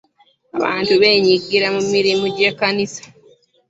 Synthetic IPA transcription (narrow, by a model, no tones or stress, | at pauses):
a̰βa̰ːntuβe̞ːɲiɡiɾamumiɾimuɟe̞ːkːanisḁ